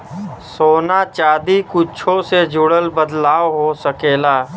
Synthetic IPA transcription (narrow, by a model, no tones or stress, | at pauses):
soːnat͡ʃaːd̪ikʊt͡ʃʰõsed͡ʒʱʊɽəlbəd̪laːʋɦosəkeːlaː